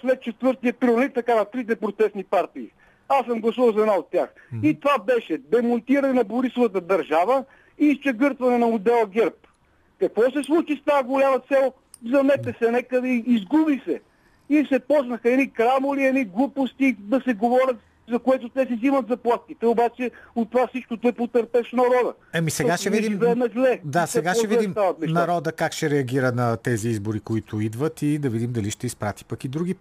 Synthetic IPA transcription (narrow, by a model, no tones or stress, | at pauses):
slɛt̪̚t͡ʃɛt̪vɤɾt̪iəp̪ɾionɛt̚t̪ɐkanɐt̪ɾit̪̬ɛpɾot̪ɛsnipaɾt̪iː | asəmɡlˠɐsuvɐlˠzɐɛd̪aot̪ʲːjax | it̪vabɛʃɛd̪ɛmont̪iɾɐnɛnɐboɾisovət̪̬əd̪ɐɾʒavə | iːst͡ʃɛɡɤɾt̪vɐnɛnɐod̪ɛlˠɡʲɛɾp̚ | kɐkvɔsɛslˠut͡ʃist̪aɡolʲamɐt̪sɛlˠ | zɐmɛt̪ɛsɛnɛkəd̪izɡubisɛ | isɛpɔsnəxəɛnikɾamoliɛniɡlˠupost̪id̪ɐsɛɡovɔɾʲət̪ | zɐkoɛt̪ʊt̪ɛs̬izimɐt̪zɐplˠat̪kit̪ɛobat͡ʃɛot̪ːovafsit͡ʃkot̪oɛpot̪əɾpɛʃnɐɾɔd̪ə | ɐmisɛɡaʃɛvid̪imd̪ɐnɛzlɛd̪asɛɡaʃʃɛvid̪imt̪avɐt̪nɛnɐɾɔd̪əkakʃɛɾɛɐɡʲiɾənɐt̪ɛziizbʊɾikoit̪ʰʊid̪vət̪id̪ɐvid̪imd̪ɐliʃt̪ɛispɾat̪i̥pəkid̪ɾuɡʲi